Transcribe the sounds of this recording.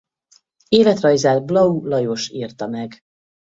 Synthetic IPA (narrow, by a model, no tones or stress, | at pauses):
eːlɛt̪rɒjzaːlblɒulɒjo̞ʃiːrt̪ɒmɛɡ